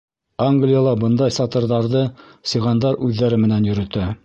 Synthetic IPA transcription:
aŋɡlʲijalˠɑbɤnd̪ɑjsɑt̪ɤ̆ɾðɑɾðɤsɤ̆ʁɑnd̪ɑɾʉðːæɾɘmɘ̆nænjɵ̆ɾɵ̆t̪æ

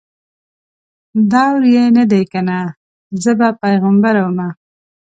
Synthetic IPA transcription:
d̪ɑwɾjenad̪ejkana | zəbapajɣambaɾawəma

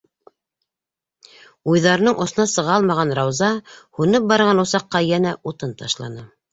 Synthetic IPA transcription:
ujðɑɾɤ̆nɤɴʔŏθŏnɑsɤ̆ʁɑlˠmɑʁɑnɾɑwzɑhunɤp̚bɑɾɤʁɑnusɑqːɑjænæʔut̪ɤnt̪ɑʃlˠɑ̰nɤ

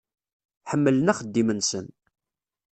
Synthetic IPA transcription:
ħəmːələnæχəd̪ːimənsən

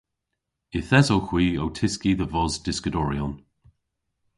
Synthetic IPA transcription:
ɪθɛzowxw̥iːowtʰɪskiðəvɔzdɪskədɔɹiɔn

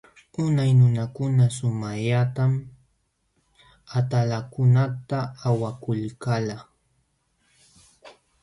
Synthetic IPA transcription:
ʊnajnʊnakʊnasʊmaʎat̪am | at̪alakʊnat̪aːwakʊlkala

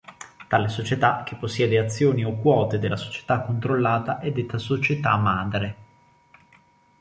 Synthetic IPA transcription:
t̪aːlesot͡ʃet̪ak̟ːepːosːjɛːd̪eat̪sːjoːniokːwɔːt̪ed̪elːaso̥t͡ʃe̥t̪akːont̪ɾolːaːt̪aʔɛd̪ːet̪ːasot͡ʃet̪a̰maːd̪ɾe

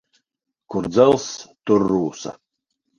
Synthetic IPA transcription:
kʊɾd̪zɛlˠst̪uɾːuːsa̰

